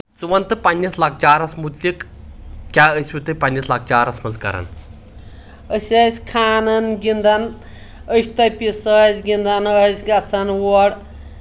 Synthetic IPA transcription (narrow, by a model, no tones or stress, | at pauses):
t͡sɨʋɐnt̪ɨpɐnʲːɐslak̚ʰt͡ʃaːɾɐsmut̪lʲik | kʲaːəsʲwʲit̪ɨpɐnʲːɐslak̚ʰt͡ʃaːɾɐsmɐzkɐ̰ɾɐ̰n | əsʲɐsʲkʰaːnɐnɡʲind̪ɐn | əʃʲt̪ɐpʲisəsʲɡʲind̪ɐnəsʲɡɐt͡sʰɐnwɔɽ